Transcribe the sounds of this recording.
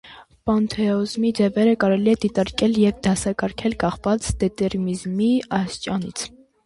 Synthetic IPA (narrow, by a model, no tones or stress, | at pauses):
pɑnt̪ʰɛɔzmid͡zɛvɛɾəkɑɾɛliɛd̪it̪ɑɾkɛljɛvd̪ɑsɑkɑɾkʰɛlkɑχvɑt͡sd̪̥ɛt̪ɛɾmizmiɑst͡ʃʼɑnḭt͡sʰ